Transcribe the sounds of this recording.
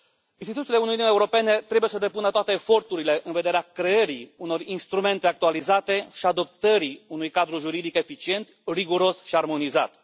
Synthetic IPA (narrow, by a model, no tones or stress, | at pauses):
inst̪it̪ut̪ileunujniuneuɾo̞pe̞ne̞t̪ɾebujesəd̪e̞punət̪oat̪e̞ːfo̞rt̪uɾile̞ʔɨnve̞d̪e̞ɾeakɾe̞eɾiuno̞rinst̪ɾume̞nt̪e̞ak̚t̪ualizat̪e̞ʃiad̪o̞p̚t̪əɾiunujkad̪ɾuʒuɾid̪ike̞fit͡ʃie̞nt̪riɡuɾo̞sʃiarmo̞niza̰t̪